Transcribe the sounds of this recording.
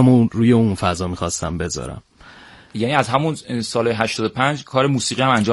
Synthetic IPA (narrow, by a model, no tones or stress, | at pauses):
moɾuːjeunfæzɒːmixɒːst̪æmbe̞zɒ̰ːɾæ̰m | jæniːæzɦæmunsɒːlɒːjeɦæʃt̪ɒːd̪opʰænd͡ʒkʰɒːɾe̞muːsiːɣiæmænd͡ʒɒː